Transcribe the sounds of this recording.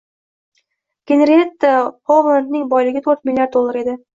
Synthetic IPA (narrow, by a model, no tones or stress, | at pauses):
ɡ̥ʲeneɾet̪ːahomant̪nɪŋbɒjlɪɡʲɪt̪ʰɵɾt̪̚milʲːjaɾd̪̚olˠːaɾe̞d̪ɪ